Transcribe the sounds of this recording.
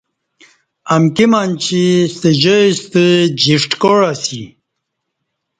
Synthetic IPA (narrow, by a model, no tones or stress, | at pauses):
ɐmkimant͡ɕʰist̪əd͡ʑəist̪əd͡ʑiʂʈkoɻasi